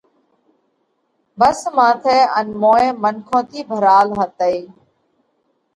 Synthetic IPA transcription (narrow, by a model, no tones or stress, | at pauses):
bəsmãːt̪ʰeːənmõːẽːmənkʰõːt̪ʰiːbʱəɾaːlɦət̪əiː